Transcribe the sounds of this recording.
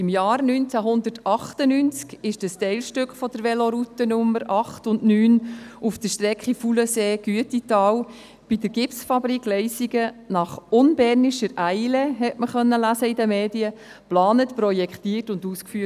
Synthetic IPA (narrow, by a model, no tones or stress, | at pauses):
ɪmjɑːrnyːnt͡sæɦʊnd̪ətɑχtənynt͡skɪʃd̥əstɛɪlʃtʏkχfɔd̥əɾʋɛlɔɾutənʊmːəɾɑχtʊnnyːnufd̥əʃtɾɛkχifuləseːɡ̥yətitɑːw | b̥idəɾɡ̥ɪpsfɑbɾiklɛɪsiɡənɑχʊnbɛːɾniʃəɾʔæɪlɛɦɛtməχœnːəlæsəidəmeːdiə | plɑːnətprɔjɛkχtiːrtʊnduːskfyə